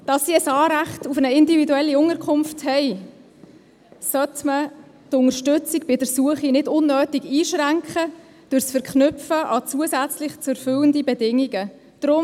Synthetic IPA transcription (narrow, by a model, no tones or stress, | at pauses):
d̥ɑsːiəsɑːɾæχtufənəɪndividuɛlːiʊŋəɾkʰʊmfthɛɪ | sœtmə | tʊŋəɾʃtʏt͡siɡbɪdəɾsuəχinɪdʊnːœːtiɡiːʃræŋkχə | d̥ʉɾsfəɾkχnʏpfəʔɑt͡suəsæt͡slɪχt͡sɛɾfʏləndibɛdɪŋiɡə | d̥ɾʊm